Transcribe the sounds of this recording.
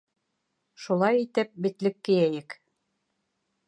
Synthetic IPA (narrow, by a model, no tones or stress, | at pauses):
ʃulˠɑjit̪ɘp̚bit̪lɘkːɘ̆jæjɘk